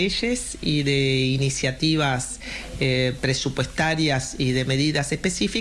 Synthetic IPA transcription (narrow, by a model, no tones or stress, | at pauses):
eʃes | iðeinisjat̪iβ̞as | epɾesupwest̪aɾjasiðe̞me̞ðiðasespesifi